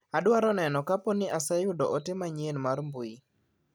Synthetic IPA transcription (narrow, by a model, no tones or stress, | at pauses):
adwaɾɔnɛnɔkapɔnɪʔasɛjʊdɔʔotɪmaɲenmarmbui